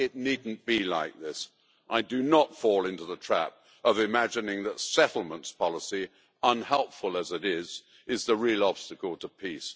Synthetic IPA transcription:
ɪtⁿnidⁿn̩b̥ilaɪk̚ðɪs | ʔaɪdɨnətfɔlˠɪ̃ntʉðətʰɹ̥æ̰p̚ | ʌvɨmæd͡ʒɨnɪ̃ŋðətsɛɾl̩ˠmə̃ntspʰɑlˠəsi | ʌ̃nhɛlˠpfəlˠəzɨɾɪz | ɨzðəɹilˠɑb̥stɨkl̩ˠtʰəpʰis

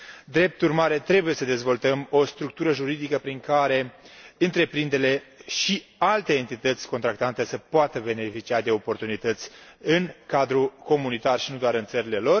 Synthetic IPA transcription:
d̪ɾe̞p̚t̪urmaɾe̞t̪ɾe̞buje̞səd̪e̞zvo̞lt̪əmo̞st̪ɾuk̚t̪uɾəʒuɾid̪ikəpɾiŋkaɾe̞ɨnt̪ɾe̞pɾind̪e̞le̞ʃialt̪e̞ːnt̪it̪ət̪sʲko̞nt̪ɾakt̪ant̪e̞səpoat̪əbe̞ne̞fit͡ʃiad̪e̞o̞po̞rt̪unit̪ət̪sʲ | ɨnkad̪ɾuko̞munit̪arʃinud̪oaɾɨnt̪səɾile̞lo̞r

